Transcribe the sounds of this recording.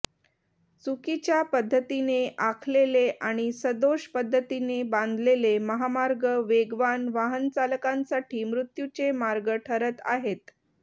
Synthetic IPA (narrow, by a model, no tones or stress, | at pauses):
t͡sukit͡ɕjapəd̪ʱːət̪ineʔakʰleleʔaɽ̃isəd̪oɕpəd̪ʱːət̪inebãnd̪ʱleleməɦamaɾɡəʋeɡʋanʋaɦənt͡salkãnsaʈʰiːmɾut̪jut͡ɕemaɾɡəʈʰəɾət̪a̰ɦet̪